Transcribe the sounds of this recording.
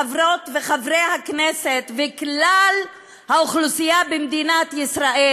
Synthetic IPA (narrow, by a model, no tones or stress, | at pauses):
avʁot̪veχavʁejhakneset̪veklal | hauχlusijabemd̪inat̪jisɾaʔe